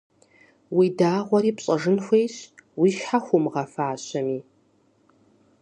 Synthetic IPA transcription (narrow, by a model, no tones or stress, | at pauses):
widaːʁʷɔɾiːpɕʼɐʐɨnxʷejɕwiːʃħaxʷʊmʁɐfaːɕɐmiː